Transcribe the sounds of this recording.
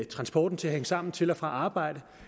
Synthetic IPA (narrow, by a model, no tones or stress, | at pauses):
t͡sʰʁɑ̈nsb̥ɒːd̥n̩t͡sʰe̝æɦeŋəsɑ̈m̰n̩t͡sʰe̝lɒfʁɑ̈ʔɑ̈ːb̥ɑ̈ɪ̰d̥ə